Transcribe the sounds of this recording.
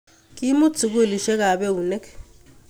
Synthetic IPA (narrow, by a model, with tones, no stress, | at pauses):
kʼi˦mu˦t͡sʰu˨k̬e˦˨li˨ʃɛ˦ka˨ɓɛ˦u˨nɛ˦k